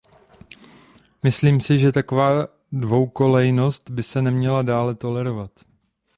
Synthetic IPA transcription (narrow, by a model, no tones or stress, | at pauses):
mɪsliːmsɪʒɛt̪ako̞vaː | dvo̞wko̞lɛjno̞st̪bɪsɛnɛmɲɛladaːlɛt̪o̞lɛɾo̞vat̪